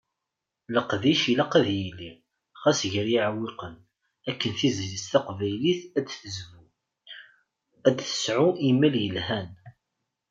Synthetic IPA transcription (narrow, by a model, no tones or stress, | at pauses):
ləqðiʃilæqæðjilːi | χæsʝəɾjiʕwɪqən | ækːənθizlist̪æqvæjliθæd̪θəzvu | æd̪θə̥sʕuʔimːæljəlhæn